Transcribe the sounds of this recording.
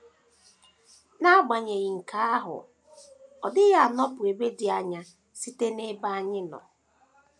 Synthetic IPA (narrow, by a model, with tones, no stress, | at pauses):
na˦ɡ͡ba˨ɲe˨ɣi˨ŋ̩˨kʰa˦a˦ɦʊ̰˨ | ɔ˨dɪ˦ɣa˦a˨nɔ˦pʊ˨e˨be˦dɪ˨a˨ɲa˦ | si˦te˦ne˦ba˦a˦ɲɪ˦nɔ̰˨